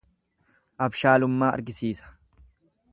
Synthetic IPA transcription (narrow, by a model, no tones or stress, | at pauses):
ʔɐbʃaːlʊmːaːɐ̰ɾɡɪsiːsɐ̥